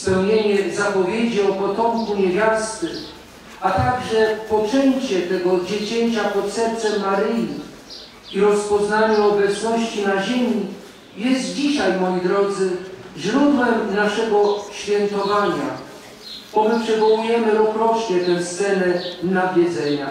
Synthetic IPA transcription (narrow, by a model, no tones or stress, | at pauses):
spɛwɲeɲɛzapɔvʲjed͡ʑiɔpɔt̪ɔmkuɲevʲjast̪ɘ | at̪aɡʐɛpɔt͡ʂɛɲt͡ɕɛt̪ɛɡɔd͡ʑet͡ɕeɲt͡ɕapɔt̪sɛɾt̪sɛmːaɾɘji | iɾɔspɔznaɲɛɔbɛt̪snɔɕt͡ɕinaʑemʲi | jɛst̪̚d͡ʑiɕajmɔjid̪ɾɔd̪zɘʑɾud̪wɛmnaʂɛɡɔɕfʲjɛnt̪ɔvaɲa | bɔmɘpʂɛvɔwujɛmɘɾɔkɾɔt͡ʂɲɛt̪ɛwst̪sɛlɛnavʲjɛd̪zɛɲa